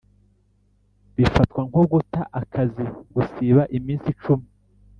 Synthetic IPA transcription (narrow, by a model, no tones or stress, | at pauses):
βifatkwaŋhoɡutaʔakʰaziɡ̥usiβaʔimiːnsit͡ʃumi